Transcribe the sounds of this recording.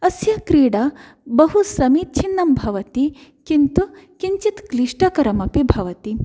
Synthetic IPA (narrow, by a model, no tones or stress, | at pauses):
ɐsjɐkɾiːɽɐ | bɐɦusɐmit̪̚t͡ʃʰinːɐmbʱɐʋɐt̪ikint̪ukiɲt͡ʃit̪kliʂʈɐkɐɾɐmɐpibʱɐʋɐt̪i